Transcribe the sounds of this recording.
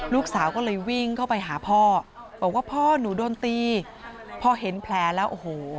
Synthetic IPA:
luː˥˩k̚saː˩˦wkɔː˥˩lɤː˧jwi˥˩ŋkʰa˥˩wpa˧jɦaː˩˦pʰɔː˥˩ | bɔː˨˩k̚waː˥˩pʰɔː˥˩nuː˩˦doː˧nt̪iː˧ | pʰɔː˥˩ɦe˩˦npʰlɛː˧lɛː˦˥wʔoː˧˩hoː˨˩˦

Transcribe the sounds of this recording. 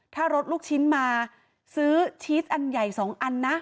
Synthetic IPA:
t̪ʰaː˥˩ɾo˦˥t̪̚luː˥˩k̚t͡ɕʰi˦˥nmaː˧ | sɯː˦˥t͡ɕʰiː˦˥t̪̚ʔa˧nja˨˩jsɔː˩˦ŋʔa˧nːa˦˥ʔ

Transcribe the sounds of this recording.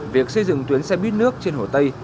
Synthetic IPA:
vi˨˩ək̚sə˧jzɨ̰˧˨ŋt̪wi˨˦ənsɛ˧ɓi˦˥t̚nɨ˦˥ək̚t͡ɕe˧nho˧˩t̪ə˧j

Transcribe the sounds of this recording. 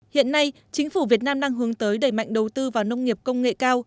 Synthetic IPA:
hḭ˧˨ənːa˧j | t͡ɕï˨˦ŋ̟fu˧˩vi˨˩ət̚naː˧mɗaː˧ŋɦɨ˨˦əŋt̪əː˨˦jɗə˧˩jma̰˧˨jŋ̟ɗə˨˩wt̪ɨ˧vaː˨˩wnə˧wŋ͡mŋi˨˩əp̚kə˧wŋ͡mŋḛ˧˨kaː˧w

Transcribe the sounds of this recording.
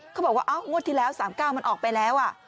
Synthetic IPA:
kʰa˦˥˩bɔː˨˩kwaː˥˩ʔa˦˥˩wŋo˥˩t̪ʰiː˧˩lɛː˦˥wsaː˩˦mkaː˥˩wma˧nʔɔː˨˩k̚pa˧jlɛː˦˥wʔa˨˩

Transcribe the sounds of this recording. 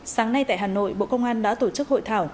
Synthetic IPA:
saː˨˦ŋna˧jt̪a̰ː˧˨jɦaː˨˩no̰˧˨jɓo̰˧˨kə˧wŋ͡mʔaː˧nɗa̰ː˧˥t̪o˧˩t͡ɕɨ˦˥k̚ho̰˧˨jt̪ʰaː˧˩w

